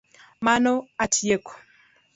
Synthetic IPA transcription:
manoatʰijeko̥

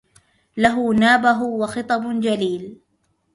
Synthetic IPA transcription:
laɦʊnaːbaɦʊwɑxɨt̪ˤɑbd͡ʒaliːl

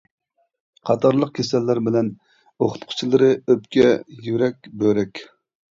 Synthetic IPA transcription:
qʰɑt̪ʰɑɾlˠəq̚kʲʰesɛlːæɾbɪlɛn | oχʊ̥t̪qʰʊ̥t͡ʃʰilˠɨɾɨøpkʲɛjyɾɛkʲbøɾɛkʲ

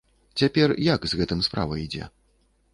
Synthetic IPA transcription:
t͡sʲapʲɛrjakzɣɛt̪ɨmspɾa̰vɐid͡zʲɛ̰

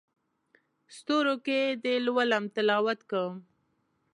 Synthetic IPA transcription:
st̪oɾoked̪elwalamt̪ɪlɑwat̪kəm

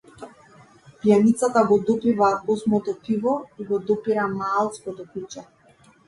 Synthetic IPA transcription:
pjanit̪sat̪aɡɔd̪ɔpivaɔsmɔt̪ɔpivɔiɡɔd̪ɔpiɾamaːlˠt̪skɔt̪ɔkut͡ʃɛ

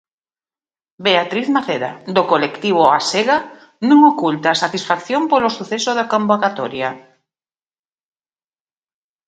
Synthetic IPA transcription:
beat̪ɾiθmaθeɾa̰d̪okolekt̪iβ̞oa̰seɣa | nũŋokult̪asat̪isfakθjompolosuθesoðakõmbokat̪oɾja

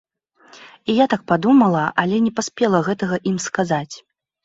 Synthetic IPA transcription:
ijat̪ak̚pad̪umɐlˠɐʔalʲɛnʲɛpasʲpʲɛlˠɐɣɛt̪ɐɣɐʔimskazat͡sʲ

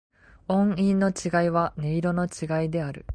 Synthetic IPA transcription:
õ̞ɰ̃ĩnːo̞t͡ɕiɡaiβane̞iɾo̞no̞t͡ɕiɡaid̪e̞aɾɯ̟̰

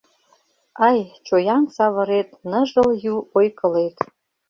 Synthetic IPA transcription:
ɑjt͡ɕojɑnsɑvɤ̆ɾet̪nə̆ʒə̆ljuojkɤ̆let̪

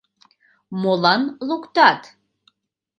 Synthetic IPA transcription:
molɑnlukt̪at̪

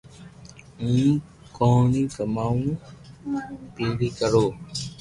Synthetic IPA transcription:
ũː | kɔ̃ːnĩːkəmaːũː | piːɾiːkəɾoː

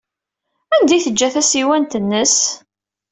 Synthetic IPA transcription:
ænd̪ijθəd͡ʒːæθæsiwænt̪ənːəs

